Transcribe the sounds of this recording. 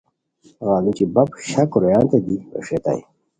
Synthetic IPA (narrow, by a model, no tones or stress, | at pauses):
ɣaːlut͡ɕibɐbɕɐkɾojãːnt̪ɐd̪io̰ʂet̪a̰j̰